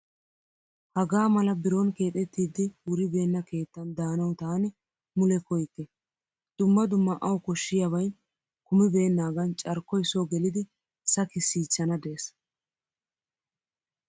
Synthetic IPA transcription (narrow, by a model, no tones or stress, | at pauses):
hɐɡaːmɐlɐbɪɾonke̞ːt̪ʼɛt̪ːiːd̪ːɪwʊɾɪbe̞ːnːɐke̞ːt̪ːɐnd̪aːnɐwt̪aːnɛ | mʊlɛkɔjt̪ːɛ | d̪̥ʊmːɐd̪ʊmːɐʔɐwkɔʃːɪjɐβɐjn | kʊmɪbe̞ːnːaːɡɐnt͡ʃʼɐɾkːɔjsoːɡɛlɪd̪ɪ | sɐkɪsːiːt͡ʃːɐnɐd̪eːs